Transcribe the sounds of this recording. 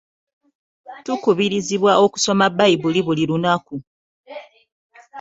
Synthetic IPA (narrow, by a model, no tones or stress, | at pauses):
tukuβiɾiziβwaʔo̞ku̥so̞mabːaiβuliβuliɾunaku